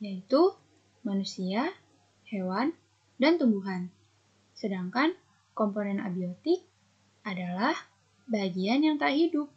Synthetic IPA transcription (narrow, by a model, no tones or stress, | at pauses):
jait̪u | manusia | hewan | dant̪umbuɦan | sədaŋkan | komponɛna̰biot̪ɪk̚ | adalah | baɦaɡianjaŋt̪aaʔɦidʊp̚